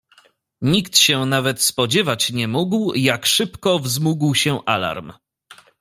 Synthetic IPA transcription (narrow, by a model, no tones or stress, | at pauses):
ɲikt̪ɕɛnavɛt̪spɔd͡ʑɛvat͡ɕɲɛmuɡwjakʂɘpkɔvzmuɡwɕɛʔa̰la̰ɾm